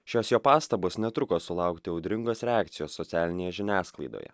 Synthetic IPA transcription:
ʃʲoːsjoːpɑːst̪ɐboːsnʲɛt̪ɾʊkoːsʊlˠɑˑʊkt̪ʲɪɐʊd̪ʲɾʲɪŋɡoːsɾʲɛɑːkt̪sʲɪjoːsːɔt̪ʲæːlʲɪnʲeːjɛʒʲɪnʲæːsklˠɐɪd̪o̰ːjɛ̰

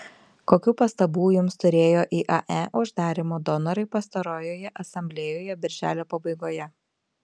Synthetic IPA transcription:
koːkʲuːpɐst̪ɐbuːjʊmst̪ʊɾʲeːjoːʔiːʔɐʔɛʔʊʒd̪ɑːɾʲimoːd̪ɔnɐɾɐɪpɐst̪ɐɾoːjoːjɛʔɐsɐmʲbʲlʲeːjoːjɛbʲɪɾʲʒʲæ̰ːlʲoːpɐbɐɪɡoːjɛ

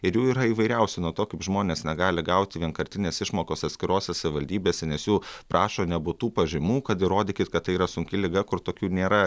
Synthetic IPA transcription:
ɪɾjuːiːɾɐiːʋɐɪɾʲɛʊsʲʊnuɔt̪oːkɐɪpʒmoːnʲeːsnʲɛɡɑːlʲɪɡɐʊt̪ʲɪʋʲiɛnkɐɾʲt̪ʲɪnʲeːsɪʃmoːkoːsɐt̪sʲkʲɪɾoːsʲɛsɐʋʲɪʋɐlʲd̪ʲiːbʲeːsʲɛnʲɛsjuːpʔɑːʃoːnʲɛbʊt̪uːpɐʒʲɪmuːkɐt̪ɪɾoːd̪ʲɪːkʲɪt̪kɐt̪tːɐɪiːɾɐsʊŋʲkʲɪlʲɪɡɐkʊɾt̪oːkʲuːnʲeːɾɐ

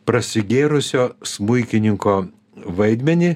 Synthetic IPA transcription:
pɾɐsʲɪɡʲeːɾʊsʲoːsmʊɪkʲɪnʲɪŋkoː | ʋɐɪd̪ʲmʲɛnʲɪ

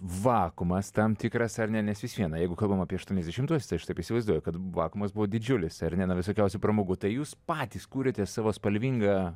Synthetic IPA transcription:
ʋɑːkʊmɐst̪ɐmt̪ʲɪkɾɐsɐɾnʲɛnʲɛsʋʲɪsʋʲiɛnɐjɛɪɡʊkɐlˠbɐmɐːpʲiɛɐʃt̪uɔnʲɛzd̪ʲɛʃʲɪmt̪uɔsʲɛ̥st̪ɐɪʃtɐɪpɪʃsʲɪʋɐɪzd̪uɔjɛkɐt̪ʋɑːkʊmɐsbʊʋoːd̪ʲɪd͡ʒʲʊlʲɪsɐrnʲɛnɐʋʲɪsoːkʲɛʊsʲʊpɾɐmoːɡut̪ɐɪjuːspɑːt̪ʲiːskuːɾʲeːt̪ʲɛsɑːʋoːspɐlʲʋʲiːŋɡɑː

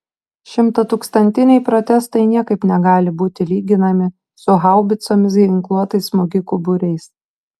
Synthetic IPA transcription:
ʃʲɪmt̪ɐt̪uːkst̪ɐnʲt̪ʲɪnʲɛɪpɾɔt̪ʲɛst̪ɐɪnʲiɛkɐɪpnʲɛɡɑːlʲɪbuːt̪ʲɪlʲiːɡʲɪnɐmʲɪ | sʊɦɑˑʊbʲɪt̪soːmʲɪs̬ɡʲɪŋklˠuɔt̪ɐɪsmoɡʲɪkubʊɾʲɛɪs

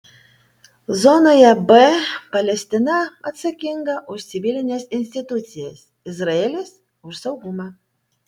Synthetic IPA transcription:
zɔnɐjabɛpɐlʲɛsʲt̪ɨnaɐt̪sɐkʲiŋɡɐʔusʲibʲilʲinʲɛsʲinʲsʲt̪ʲit̪ut͡sʲijɛsʲ | izraɛlʲɛsʲ | uʐsɐwɣumɐ

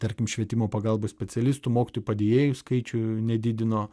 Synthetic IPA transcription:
t̪ɐɾʲkʲɪmʃʲʋʲiɛt̪ʲɪmoːpɐɡɐlˠboːsʲpʲɛt͡s̪ʲɛlʲɪst̪ʊmoːkʲɪt̪ojupɐd̪ʲeːjeːjʊskɐɪt͡ʃʲʊnʲɛd̪ʲɪd̪ʲɪnoː

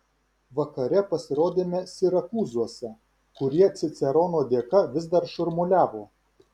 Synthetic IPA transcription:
ʋɐkɐɾʲɛpɐsʲɪɾoːd̪ʲeːmʲɛsʲɪɾɐkuːzuɔsʲɛ | kʊɾʲiɛt̪sʲɪt̪sʲɛɾɔːnoːd̪ʲeːkɐʋʲɪzd̪ɐɾʃʊɾmʊlʲæːʋoː

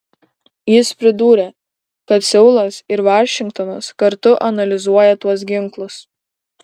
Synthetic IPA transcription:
jɪspʲɾʲɪd̪uːɾʲe | kɐt̪sʲɛʊlˠɐsɪɾʋɑːʃʲɪŋkt̪ɔnɐskɐɾt̪ʊʔɐnɐlʲɪzuɔjɛt̪uɔs̬ɡʲɪŋklˠʊs

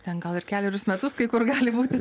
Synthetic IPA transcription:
t̪ʲɛnɡɐlˠɪɾkʲæːlʲɛɾʲʊsmʲɛt̪ʊskɐɪkʊrɡɑːlʲɪbuːt̪ʲɪ

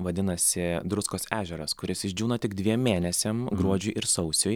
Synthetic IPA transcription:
ʋɐd̪ʲɪnɐsʲɪd̪ɾʊskoːsæːʒʲɛɾɐskʊɾʲɪsɪʒʲd͡ʒʲuːnɐt̪ʲɪɡd̪ʲʋʲiɛmːʲeːnʲɛsʲemɡɾuɔd͡ʒʲʊjʔɪɾsɒʊsʲʊj

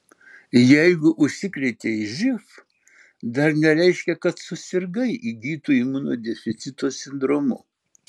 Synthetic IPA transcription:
jɛɪɡʊʔʊʃʲsʲɪkɾʲɛt̪ʲeiʒʲɪf | d̪ɐɾnʲɛɾʲɛɪʃʲkʲɛkɐt̪sʊsʲɪɾɡɐɪʔiɡʲiːt̪uːimuːno̰ːd̪ʲɛfʲɪt̪sʲɪt̪oːsʲɪnd̪ɾoːmʊ̰

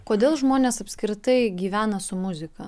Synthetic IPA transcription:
koːd̪ʲeːlˠʒmoːnʲeːsɐpʲsʲkʲɾʲɪt̪ɐɪɡʲiːʋʲæːnɐsʊmʊzʲɪkɐ

